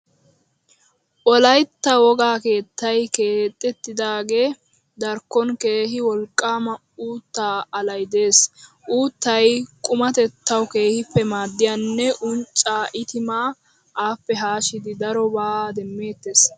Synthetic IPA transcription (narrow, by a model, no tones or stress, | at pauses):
ʔɔlɐjt̪ːɐwɔɡaːke̞ːt̪ːɐjkeːt̪ʼːɛt̪ːɪd̪aːɡe̞ː | d̪ɐɾkːɔnke̞ːɦɪwɔlkʼːaːmɐ | uːt̪ːaːɐlɐjd̪e̞ːs | ʔuːt̪ːɐjkʼʊmɐt̪ɛt̪ːɐwke̞ːhɪpːɛmaːd̪ːɪjanːɛʔʊnt͡ʃʼaːʔɪt̪ɪmaː | ʔaːpːɛɦaːʃɪd̪ɪd̪ɐɾɔbaːd̪ɛmːe̞ːt̪ːe̞ːs